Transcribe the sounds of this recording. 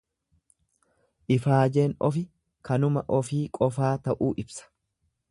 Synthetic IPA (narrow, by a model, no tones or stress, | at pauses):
ʔɪfaːd͡ʒeːnɔfɪ | kɐnʊmɐʔɔfiːkʼɔfaːt̪ɐʔuːʔɪbsɐ̥